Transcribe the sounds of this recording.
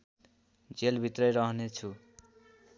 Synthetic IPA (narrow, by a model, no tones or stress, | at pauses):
d͡zelbʱit̪rʌjɾʌɦnet͡sʰu